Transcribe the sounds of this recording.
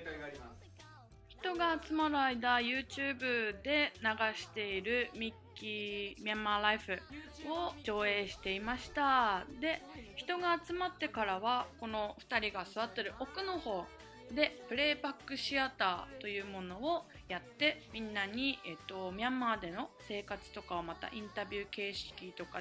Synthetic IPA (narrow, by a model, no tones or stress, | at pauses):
çi̥t̪o̞ɡaːt͡sɨmaɾɯ̟aid̪ajɯ̟ːt͡ɕɨːbɯ̟d̪e̞naɡaɕi̥t̪e̞iɾɯ̟mʲikʲːimʲiamːaːɾaiɸɯ̟o̞d͡ʑo̞ːe̞ːɕi̥t̪e̞imaɕi̥t̪ad̪e̞çi̥t̪o̞ɡaːt͡sɨmat̪ːe̞kaɾaβ̞ako̞no̞ɸɯ̟̥t̪aɾʲiɡasɨβat̪ːe̞ɾɯ̟ʔo̞kɯ̟no̞ho̞ː | d̪e̞pɯ̟ɾe̞ːbakːɯ̟ɕiat̪aːt̪o̞jɯ̟ːmo̞no̞o | jat̪ːe̞mʲĩnːaɲ̟iet̪ːo̞mʲiãmːaːd̪e̞no̞se̞ːkat͡sɨ̥t̪o̞kaβomat̪a̰ʔĩnt̪abʲɯ̟ːke̞ːɕi̥kʲit̪o̞ka